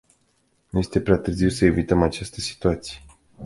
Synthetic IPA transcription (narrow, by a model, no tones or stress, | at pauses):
nuje̞st̪e̞pɾeat̪ɨrziwsəe̞vit̪əmat͡ʃast̪əsi̥t̪uat̪sije